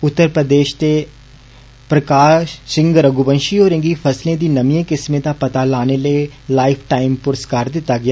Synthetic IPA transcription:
ʊt̪ːəɾpɾəd̪eːʃt̪e | pɾəkaːʃsɪ̃ŋɡɾəɡubə̃nʃiɔːɾɪ̃ŋɡifʰəslẽd̪iːnəmiẽkɪsmẽd̪apɐt̪alaːnelelaːɪpʰʈaːɪmpʊɾəskaːɾd̪ɪt̪ːaɡɪjaː

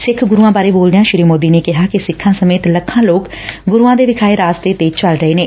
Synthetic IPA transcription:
sɪkʰɡʊɾuːãːbaːɾeːboːld̪ejãːʃɪɾiːmoːd̪iːneːkɪɦaːkɪsɪkʰːãːsəmeːt̪ləkʰːãːloːk | ɡʊɾuːãːd̪eːʋɪkʰaːeːɾaːst̪eːt̪eːt͡ʃəlɾəɦeːneː

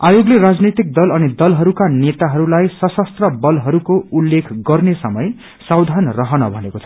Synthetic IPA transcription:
ajoɡleɾad͡znit̪ik̚d̪ʌlʌnid̪ʌlɦʌɾukanet̪aɦʌɾulajsʌsʌst̪rʌbʌlɦʌɾukoulːekʰɡʌrnesʌmʌj | sawd̪ʱanrʌɦʌnʌbʱʌnekot͡sʰʌ

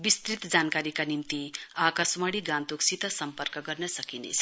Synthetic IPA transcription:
bist̪ɾit̪d͡zankaɾikanimt̪iakʌsmaɽiɡãnt̪uksit̪ʌsʌmpʌrkʌɡʌrnʌsʌkinḛt͡sʰ

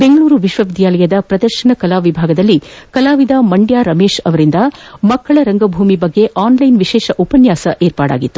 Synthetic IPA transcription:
be̞ŋɡɐɭuːɾuʋiʃʋɐʋid̪ʱjaːlɐjɐd̪ɐpɾɐd̪ɐɾʃɐɳɐkɐlaːʋibʱaːɡɐd̪ɐlːikɐlaːʋid̪amɐɳɖjaːɾɐmeːʃɐʋɐɾind̪ɐmɐkːɐɭɐɾɐŋɡɐbʱuːmibɐɡːe̞ʔaːnlɐjnʋiʃɛːʃɐʔupɐnjaːsɐʔeːɾpaːɽa̰ːɡit̪ːu

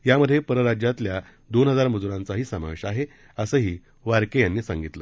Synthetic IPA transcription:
jaməd̪ʱːjepəɾəɾad͡ʑjat̪lja | d̪onɦəd͡zaɾməd͡zuɾãnt͡saɦiːsəma̰ʋeɕaɦe | əsəːɦiː | ʋaɾkejanːiːsaŋɡit̪lə

